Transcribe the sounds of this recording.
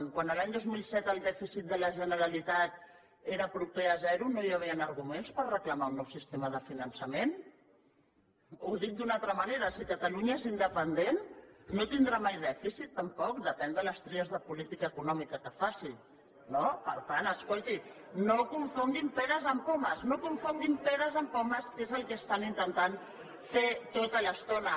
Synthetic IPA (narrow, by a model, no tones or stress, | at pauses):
kwanəlaɲd̪ozmilˠsɛt̪əlˠd̪ɛfisit̪̚d̪ələʒənəɾəlit̪at̪̚ | eɾəpɾupeəzɛɾunojəβ̞iənəɾɣumenspərrəkləmaunːɔwsist̪eməð̞əfinənsəmen | uðit̪̚d̪unalt̪ɾəmaneɾəsikət̪aluɲəezind̪əpənd̪enːot̪ind̪ɾamajðɛfisit̪ːəmpɔk̚d̪əpɛnd̪ələst̪ɾeəzðəpulit̪ikaəkunɔmikəkəfasi | nopə̰ɾt̪anəskolt̪inokuɱfund̪impɛðəzəmpoməznokuɱfund̪impɛðəzəmpoməskezəlˠkəːst̪anint̪ənt̪an | fet̪ot̪ələst̪onə